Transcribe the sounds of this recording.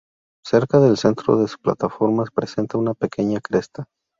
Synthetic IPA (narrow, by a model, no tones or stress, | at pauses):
se̞ɾkaðe̞lse̞nt̪ɾo̞̰ðe̞su̥pla̰t̪afo̞ɾmaspɾese̞nt̪aunape̞ke̞ɲakɾe̞st̪a